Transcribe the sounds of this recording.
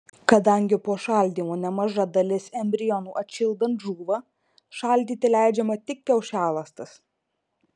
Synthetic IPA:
kɐd̪ɐŋʲɡʲɪpoːʃɑˑlʲd̪ʲiːmoːnʲɛmɐʒɐd̪ɐlʲɪsɛmʲbʲɾʲɪjɔnuːʔɐt̪ʲʃʲɪlˠd̪ɐnt̪ʒuːʋɐ | ʃɑˑlʲd̪ʲiːt̪ʲɪlʲæˑɪd͡ʒʲɛmɐt̪ʲɪk̚ʲkʲɛʊʃʲæːlˠɐst̪ɐs

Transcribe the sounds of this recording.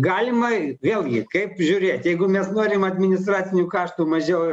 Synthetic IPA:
ɡɑːlʲɪmɐʋʲeːlˠɡʲɪkɐɪpʒʲʊːɾʲeːt̪ʲjɛɪɡʊmʲɛsnoːɾʲɪjɛmɐd̪ʲmʲɪnʲɪst̪ɾɑːt͡s̪ʲɪnʲuːkɑːʃt̪uːmɐʒʲɛʊ

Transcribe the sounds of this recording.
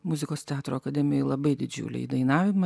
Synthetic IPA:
mʊzʲɪkoːst̪ʲɛɑːt̪ɾoːɐkɐd̪ʲɛmʲɪjɛɪlˠɐbɐɪd̪ʲɪd͡ʒʲʊ̰ːlʲɛ̰ḭːd̪ɐɪnɑːʋʲɪmɐ

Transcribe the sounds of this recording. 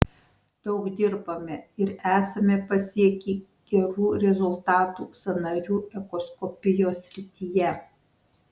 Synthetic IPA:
d̪̥ɒʊɡd̪ʲɪɾbɐmʲɛɪɾæːsɐmʲɛpɐsʲiɛkʲiː | ɡ̥ʲɛɾuːɾʲɛzʊlˠt̪ɑːt̪uːsʲɐnɐɾʲuːɛkɔskɔpʲɪjoːsʲɾʲɪt̪ʲijɛ

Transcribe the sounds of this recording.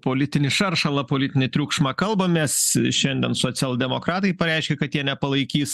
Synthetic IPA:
poːlʲɪt̪ʲɪnʲɪʃɐrʃɐlˠɐpoːlʲɪt̪ʲɪnʲɪt̪ʲɾʲuːkʃmɐkɐlˠbɐmʲɛsʃʲɛnʲd̪ʲɛnsoːt͡ssʲɛlˠd̪ʲɛmoːkɾɑːt̪ɐɪpɐɾʲɛɪʃʲkʲɛkɐt̪jiɛnʲɛpɐlˠɐɪkʲiːs

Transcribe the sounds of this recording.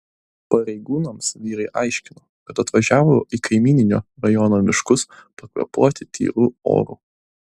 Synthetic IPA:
pɐɾʲɛɪɡuːnɐmsʋʲiːɾɐɪʔɑɪʃʲkʲɪnoːkɐt̪ɐt̪ʋɐʒʲæːʋoːikɐɪmʲiːnʲɪnʲo̰ːɾɐjɔːnoːmʲɪʃkʊspɐkʋʲɐ̰puɔt̪ʲɪt̪ʲʰḭːɾuːo̰ːɾṵː

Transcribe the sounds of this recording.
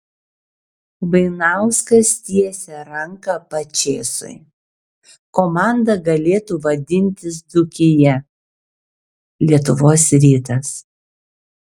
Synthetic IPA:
bɐɪnɑˑʊskɐst̪ʲiɛsʲɛɾɐŋkɐpɐt͡ʃʲeːsʊ̰ɪ | koːmɑˑnd̪ɐɡɐlʲeːt̪uːʋɐd̪ʲɪnʲt̪ʲɪs̬d̪ʊkʲɪjɛ | lʲiɛt̪ʊʋoːsɾʲiːt̪ɐs

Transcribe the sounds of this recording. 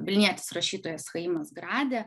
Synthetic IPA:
ʋʲɪlʲnʲiɛt̪ʲɪ̥sɾɐʃʲiːt̪oːjɛsxɐɪmɐsɡɾɑːd̪ʲe

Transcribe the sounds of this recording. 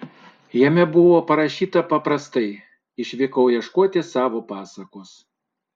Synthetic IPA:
jɛmʲɛbʊʋoːpɐɾɐʃʲiːt̪ɐpɐpɾɐst̪ɐɪ | ɪʃʲʋʲɪkɐʊjɛʃkuɔt̪ʲɪsɑːʋoːpɑːsɐkoːs

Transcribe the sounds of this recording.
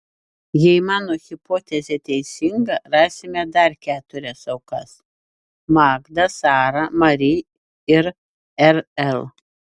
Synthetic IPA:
jɛɪmɑːnoːɣʲɪpoːt̪ʲɛzʲɛt̪ʲɛɪsʲɪŋɡɐɾɑːsʲɪmʲɛd̪ɐɾkʲæːt̪ʊɾʲɛsɐʊkɐs | mɑːɡd̪ɐsɑːɾɐmɐɾʲi | ɪɾ | ɛɾɛlˠ

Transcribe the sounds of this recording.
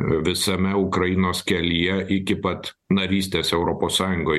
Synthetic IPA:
ʋʲɪsɐmʲɛʊkɾɐjɪnoːskʲɛlʲijɛʔɪkʲɪpɐt̪ | nɐɾʲiːsʲt̪ʲeːsɛʊɾoːpoːssɑːjʊŋɡoː

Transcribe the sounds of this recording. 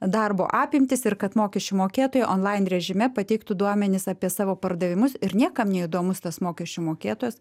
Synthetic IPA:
d̪ɐrbo̰ːʔɑːpʲɪmʲt̪ʲɪsɪrkɐt̪moːkʲɛʃʲt͡ʃʲumoːkʲeːt̪oːjɛʔoːnlˠɐɪnrʲɛʒʲɪmʲɛpɐt̪ʲɛɪkt̪ʊd̪uɔmʲɛnʲɪsɑːpʲiɛsɑːʋoːpɐrd̪ɐʋʲɪmʊsɪɾnʲiɛkɐmnʲɛid̪oːmʊst̪ɐsmoːkʲɛʃʲt͡ʃʲumoːkʲeːt̪oːjɛs

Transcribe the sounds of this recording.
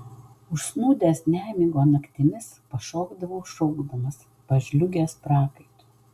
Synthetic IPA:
ʊʃsnuːd̪ʲeːsnʲæːmʲiːɡoːnɐkt̪ʲɪmʲɪs | pɐʃoːɡd̪ɐʋɐʊʃɔʊɡd̪ɐmɐs | pɐʒʲlʲʊɡʲeːspɾɑːkɐɪt̪u

